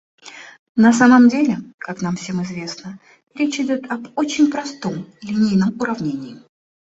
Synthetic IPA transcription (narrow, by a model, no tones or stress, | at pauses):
nɐs̬aməmdʲelʲɪkakn̪amfsʲe̞mɨzvʲe̞snə | ɾʲet͡ɕɪdʲo̞t̪ɐbot͡ɕɪnʲpɾɐst̪o̞mlʲɪnʲijnəmʊɾɐvnʲenʲɪɪ